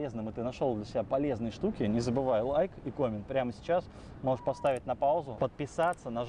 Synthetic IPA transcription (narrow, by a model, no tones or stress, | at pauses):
eznɨmɨt̪ɨnɐʂolˠd̪lʲəsʲɪbʲapɐlʲe̞znɨjəʂt̪ukʲɪnʲɪzəbɨvajʊlˠajkikomʲɪnpɾʲaməsʲɪ̥t͡ɕas | moʐəʂpɐst̪avʲɪt̚ʲnɐpalˠzʊpət̪̚pʲɪsat̪sːənɐ